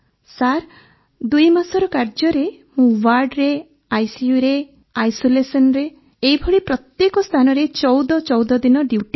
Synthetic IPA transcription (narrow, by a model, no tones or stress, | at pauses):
saɾ | d̪ujmasɔɾɔkaɾd͡ʒɔɾemũwaɾɖɾe | ajsiuɾe | ajsolesɔnɾeː | ibʱɔɽipɾɔt̪jekɔst̪ʰanɔɾet͡ʃɔwd̪ɔt͡ʃɔwd̪ɔd̪inɔɖiʈi